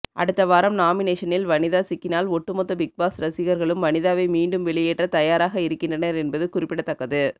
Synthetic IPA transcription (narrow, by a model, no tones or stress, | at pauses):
ʔɐ̰ɽɯt̪ːɐʋaːɾɐmnaːmɪneːʂɐnɪlʋɐnɪðaːsɪkːɪnaːlɔʈːɯmɔt̪ːɐbɪk̚baːsɾɐsɪɣɐɾɣɐɭɯmʋɐnɪðaːʋɐɪmiːɳɖɯmʋɛɭɪjeːʈrɐt̪ɐjaːɾaːɣɐɪɾɯkːɪnɳdrɐnɐɾɛnbɐðɯkʊrɪpːɪɽɐt̪ːɐkːɐðɯ